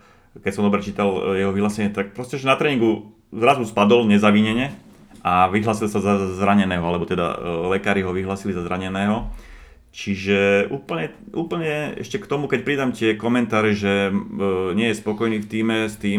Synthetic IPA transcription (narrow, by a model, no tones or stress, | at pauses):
kɛcsɔmd̪ɔbɾɛt͡ʃiːt̪aljɛɦɔʋiɦlaːsɛɲɪɛt̪ak̚pɾɔscɛʒɛnat̪ɾɛːɲiŋɡu | zɾazuspad̪ɔlɲɛzaʋiɲɛɲɛ | aʋiɦlaːsilsazazɾaɲɛnɛːɦɔalɛbɔt̪ɛd̪a̰lɛkaːɾiɦɔʋiɦlaːsilizazɾaɲɛnɛːɦɔ | t͡ʃiʒɛʔuːpl̩ɲɛ | uːpl̩ɲɛɛ̰ʃcɛkt̪ɔmukɛc̚pɾid̪amcɪɛkɔmɛnt̪aːɾɛʒɛ | ɲɪɛjɛspɔkɔjniːft̪iːmɛst̪iːm